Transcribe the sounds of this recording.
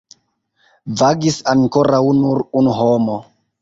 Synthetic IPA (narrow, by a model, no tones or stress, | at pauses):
vaɡisaŋkoɾawnuɾunuɦomo